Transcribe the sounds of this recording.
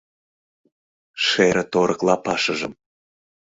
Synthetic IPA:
ʃeɾə̆t̪oɾɤ̆klɑpɑʃəʒə̰̆m

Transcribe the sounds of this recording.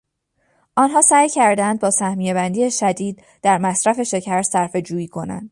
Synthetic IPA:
ʔɒːnɦɒːsæːjcʰæɾd̪ænd̪̚bɒːsæhmije̞bænd̪iːeʃæd̪iːd̪̚ | d̪̥æɾmæsɾæfe̞ʃe̞cʰæɾsæɾfe̞d͡ʒuːjiːkʰo̞næ̰nd̪̥

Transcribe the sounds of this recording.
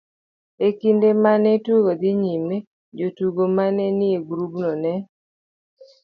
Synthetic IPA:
ekindemanɛtuɡod̪ɪɲime | d͡ʒotuɡomanɛnɪeɡɾubnɔnɛ

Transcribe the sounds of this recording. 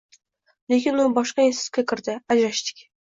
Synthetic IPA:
le̞kʲɪnʊnɪbɒʃqɑjesɪ̥z̥kʲakʲʰɪɾd̪ɪad͡ʒɾaʃt̪ɪ̥kʲ

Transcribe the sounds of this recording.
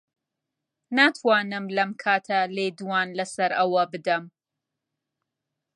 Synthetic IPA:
naːt̪ʰwaːnɨmlɐmkʰaːt̪ʰɐleːd̪uwaːnlɐsɐɾʔɐwɐbɨd̪ɐm

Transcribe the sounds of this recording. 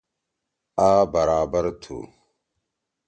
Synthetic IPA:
aːbɐɾaːbɐɾt̪ʰṵ

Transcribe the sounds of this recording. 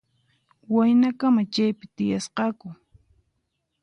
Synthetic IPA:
wajnakamat͡ʃajpɪt̪ɪjasqɑkʊ

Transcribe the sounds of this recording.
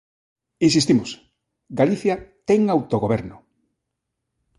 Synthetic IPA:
insist̪imos | ɡaliθjat̪ɛŋawt̪oɣoβ̞ɛɾnʊ

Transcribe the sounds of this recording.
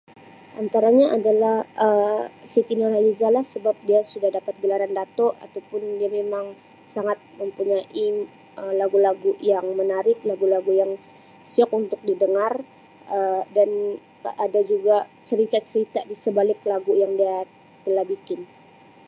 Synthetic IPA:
ʔant̪aɾaɲaʔadalahəsit̪inoɾalizalahsəbap̚diasudahdapat̪̚ɡəlaɾandat̪ɔʔa̰t̪awpʊndiamemaŋ | saŋat̪̚məmpuɲaʔi | əlaɡulaɡujaŋmənaɾɪk̚laɡulaɡujaŋ | siɔk̚unt̪ʊk̚didəŋar | ədan | ʔadad͡ʒuɡat͡ʃəɾit̪at͡ʃəɾit̪adisəbalɪklaɡujaŋdia | t̪əlahbikɪn

